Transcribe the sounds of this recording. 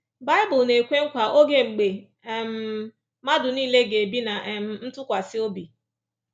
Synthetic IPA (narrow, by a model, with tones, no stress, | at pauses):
ba˦ɪ˦bʊ˨ne˨kʷe˦ŋ̩˦kʷa˨ʔo˦ɡe˦ŋ͡m̩˨ɡ͡be˨ | m̩˦ | ma˦dʊ˨niː˦le˦ɡe˨bi˦na˨ʔm̩˨n̩˦tʊ˦kʷa˨sɪ˦o˦bi˨